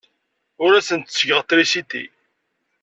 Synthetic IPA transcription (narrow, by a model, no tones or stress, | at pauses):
ʊɾæsənt̪səʝəʁt̪ːɾisit̪ḭ